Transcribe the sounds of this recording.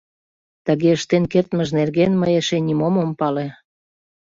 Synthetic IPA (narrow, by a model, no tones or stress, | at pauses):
t̪ə̆ɣeəʃt̪enkert̪məʒnerɣenməjeʃenʲimomompɑle